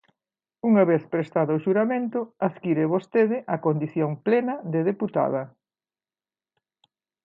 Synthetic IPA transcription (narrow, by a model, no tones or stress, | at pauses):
uŋɐβeθpɾest̪aðɐʊʃuɾamẽnt̪ʊaðkiɾeβost̪eðɪʔɐkond̪iθjoŋplenɐðeðeput̪a̰ðɐ